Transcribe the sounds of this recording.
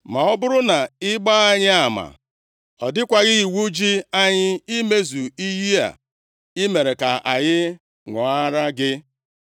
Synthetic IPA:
ma˨ɔ˦bʊ˦ɾʊ˦na˨ɪ˦ɡ͡ba˦a˦ɲɪ˦a˨ma̰˨ | ɔ˨dɪ˦kʷa˨ɣɪ˦i˨wu˦d͡ʒi˦a˦ɲɪ˦i˦me˦zu˨i˦ji˦a̰˨ | ɪ˦me˨ɾe˨ka˨a̰˨ɲɪ˦ | ŋɔ˨a˦ɾa˦ɡɪ˦

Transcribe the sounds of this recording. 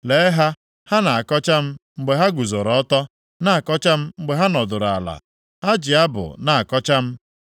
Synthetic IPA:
le˨˦ɦa˦ | ha˦na˨a˨kɔ˦t͡ʃa˦m̩˦ŋ͡m̩˦ɡ͡be˨ɦa˦ɡu˨zo˨ɾɔ˨ɔ˦tɔ˦ | na˨a˨kɔ˦t͡ʃa˦m̩˦ŋ͡m̩˦ɡ͡be˨ɦa˦nɔ˨dʊ˨ɾa̰˨la̰˨ | ha˦d͡ʒɪ˨a˦bʊ̰˨na˨a˨kɔ˦t͡ʃa˦m̩˦

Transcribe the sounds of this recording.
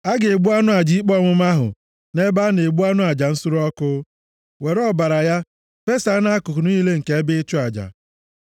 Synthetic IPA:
a˦ɡe˨e˨ɡ͡bu˦a˦nʊ˦a˨d͡ʒi˨˦i˦k͡pɔ˦mʊ˦ma˦ɦʊ̰˨ | ne˦ba˦ne˨ɡ͡bu˦a˦nʊ˦a˨d͡ʒa˨n̩˦sʊ˦ɾʊ˦ɔ˦kʊ˦ | we˨ɾɔ˦ba˨ɾa˨ja˦ | pe˦sa˨˦na˦a˦kʊ˨kʊ˨nʊ˦i˦le˦ŋ̩˨ke˨˦e˦bɪ˦t͡ʃʊ˦a˨d͡ʒa̰˨

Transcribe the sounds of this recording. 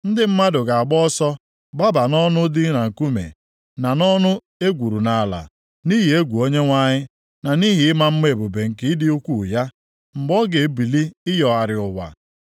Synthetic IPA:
n̩˦dɪ˦m̩˦ma˦dʊ˨ɡa˨a˨ɡ͡bɔ˦sɔ˦ | ɡ͡ba˦ba˨nɔ˦nʊ˦dɪ˦na˨ŋ̩˨ku˦mḛ˨ | na˨nɔ˦nʊ˦ | e˦ɡʷu˨ɾu˨na˨la̰˨ | ni˦ɦi˨e˦ɡʷu˨o˦ɲe˦ŋʷa˦ɲɪ˦ | na˨ni˦ɦɪ˨ɪ˦ma˦m̩˦me˦˨bo˨be˨ŋ̩˨kɪ˦dɪ˦u˦kʷu˦˨ja˦ | m̩˨ɡ͡bɔ˦ɡe˨˦bi˨li˦ɪ˦jɔ˨a˨ɾɪ˨ʊ˨wʷa̰˨

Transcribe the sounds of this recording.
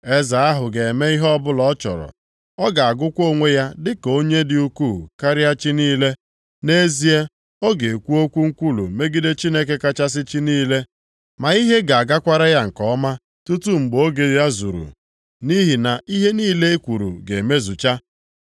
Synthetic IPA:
e˦za˨a˦ɦʊ˨ɡe˨me˦i˦ɦɔ˦bʊ˦lɔ˦t͡ʃɔ̰˨ɾɔ̰˨ | ɔ˦ɡa˨a˨ɡʊ˦kʷo˦ŋʷe˦ja˦dɪ˦ko˦ɲe˦dɪ˨u˦ku˦˨ka˦ɾɪ˦a˦t͡ʃɪ˦niː˦le˦ | ne˦zi˦e˦ | o˦ɡe˨kʷu˦o˦kʷu˦ŋ̩˦kʷu˦lṵ˨me˦ɡi˦de˦t͡ʃi˦ne˦k̬e˦ka˦t͡ʃa˦s̬ɪ˦t͡ʃi˦niː˦le˦ | ma˨i˦ɦe˦ɡa˨a˨ɡa˦kʷa˦ɾa˦ja˦ŋ̩˨kɔ˦ma˦ | tu˦tu˦ŋ͡m̩˨ɡ͡bo˦ɡe˨ja˦zṵ˨ɾṵ˨ | ni˦ɦi˨na˨ʔi˦ɦe˦niː˦le˦e˦kʷu˨ɾṵ˨ɡe˨e˨me˦zu˨t͡ʃa˦

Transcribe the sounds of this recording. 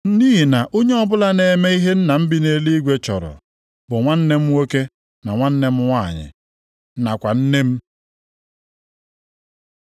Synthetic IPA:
diː˦ɦi˨na˨ʔo˦ɲe˦ɔ˦bʊ˦la˦ne˨me˦i˦ɦe˦n̩˦na˨m̩˦bi˦ne˦li˦ɡʷe˦t͡ʃɔ˨ɾɔ̰˨ | bʊ˨ŋʷa˦n̩˦ne˦m̩˦wo˦ke˦ | na˨ŋʷa˦n̩˦ne˦m̩˦ŋʷa˦˨ɲɪ̰˨˦ | na˨kʷa˨n̩˦ne˦m̩˦

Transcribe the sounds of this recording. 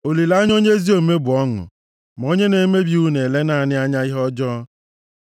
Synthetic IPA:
o˨li˨la˦ɲ˦o˦ɲe˦zi˦o˨me˦bʊ˨ɔ˦ŋʊ̰˨ | m˨o˦ɲe˦ne˨˦me˦bi˨u˦ne˨le˦na˨a˨nɪ˦a˦ɲa˦ɪ˦ɦɔ˦d͡ʒɔː˦

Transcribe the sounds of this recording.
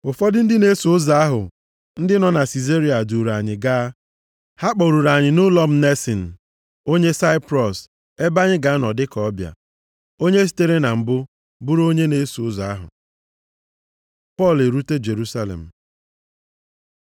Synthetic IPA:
ʊ˨fɔ˦dɪ˦n̩˦dɪ˦ne˦su˨ʊ˦za˨a˦ɦʊ˨ | n̩˦dɪ˦nɔ˨na˨si˨ze˦ɾi˨a˨du˨ɾa˨ɲɪ˨ɡaː˦ | ha˦k͡pɔ˨ɾu˨ɾa˨ɲɪ˨nʊ˦lɔ˦m̩˦ne˦sɪ˨n̩˨ | o˦ɲe˦sa˦ɪ˦pɾɔ˨s | e˦ba˦ɲɪ˦ɡa˨˦nɔ˨dɪ˦kɔ˦bja̰˨ | o˦ɲe˦s̬i̥˨te˦ɾe˦na˨m̩˨bʊ˦ | bu˦ɾo˦ɲe˦ne˦su˨ʊ˦za˨a˦ɦʊ̰˨ | pɔ˦˨le˨ɾu˦te˦d͡ʒe˨ɾu˦sa˦lḛ˨m̩˨

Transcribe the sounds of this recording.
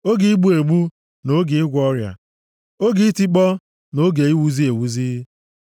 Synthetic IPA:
o˦ɡi˦i˦ɡ͡bu˦e˨ɡ͡bu˦ | no˦ɡe˨ɪ˦ɡʷɔ˦ɾja̰˨ | o˦ɡi˦ti˦k͡pɔ˦ | no˨˦ɡe˨i˦wu˨zi˦e˨wu˨ziː˦

